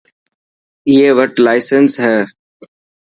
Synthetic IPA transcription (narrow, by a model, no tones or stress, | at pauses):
iːeːʋəʈlaːɪsənsɦɛː